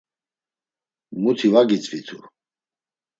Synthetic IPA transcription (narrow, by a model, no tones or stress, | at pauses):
mut̪ʰivaɡit͡sʼvit̪ʰu